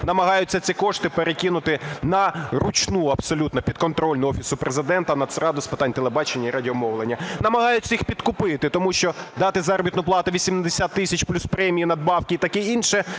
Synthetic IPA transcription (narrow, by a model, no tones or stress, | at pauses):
nɐmɐɦɑjʊt͡sʲːɐt͡sʲikɔʂt̪ɪpeɾekʲinʊt̪ɪnɐrʊt͡ʃnuɐbsɔlʲut̪nɐpʲid̪̥̚kɔnt̪ɾɔlʲnʊɔfʲisʊpɾʔezɪd̪ɛnt̪ɐnɐt̪sɾɑd̪ʊspɪt̪ɑnʲt̪elˠebɑt͡ʃenʲːɐiɾɐdʲiɔmɔʋlˠenʲːɐnɐmɐɦɑjʊt͡sʲːɐjixpʲid̪kʊpɪt̪ɪt̪ɔmuʃt͡ʃɔd̪ɑt̪ɪzɑɾɔbʲit̪nʊplˠɑt̪ʊʋʲisʲimd̪esʲat̪ːɪsʲɐt͡ʃplʲuspɾɛmʲijinɐd̪̚bɑwkʲiːt̪ɐkɛinʃɛ